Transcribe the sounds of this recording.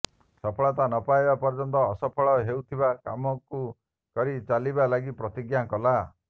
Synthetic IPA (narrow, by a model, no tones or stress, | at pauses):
sɔpʰɔɭɔt̪̬anɔpajbapɔɾd͡ʒɔnt̪ɔːsɔpʰɔɭɔɦeut̪ʰibaka̰mɔku | kɔɾit͡ʃalibalaɡipɾɔt̪iɡjakɔla